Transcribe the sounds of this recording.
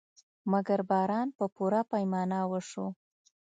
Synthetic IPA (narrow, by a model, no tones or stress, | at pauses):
maɡaɾbɑɾɑnpəpuɾapajmɑnɑwəʂo